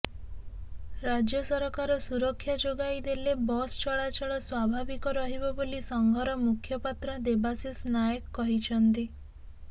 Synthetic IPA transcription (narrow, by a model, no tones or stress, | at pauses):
ɾad͡ʒjɔsɔɾɔkaɾɔsuɾɔkʰːjad͡ʒoɡajd̪elebɔst͡ʃɔɭat͡ʃɔɭɔswabʱabikɔɾɔɦibɔbolisɔŋɡʱɔɾɔmukʰjɔpat̪ɾɔd̪ebasisnajɔkːɔɦit͡ʃʰɔnt̪i